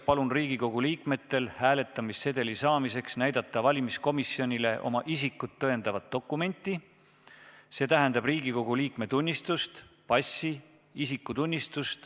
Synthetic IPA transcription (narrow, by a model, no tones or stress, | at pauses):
pɑlunriːɡ̥iko̞ɡ̥uliːkme̞t̪ːe̞lhæːle̞t̪ːˑɑmisːe̞d̪̥e̞lisɑːmise̞ksnæjd̪̥ɑt̪ːˑɑvɑlʲimisko̞misjo̞nʲile̞ʔo̞̰mɑʔisikːut̪ːɤend̪̥ɑvɑt̪̚ːo̞kːˑume̞nʲt̪ˑːi | se̞ːt̪æɦɛnd̪̥ɑbriːɡ̥iko̞ɡ̥uliːkme̞t̪unʲːist̪ust̪pɑsʲːi | isikːˑut̪unʲːist̪ust̪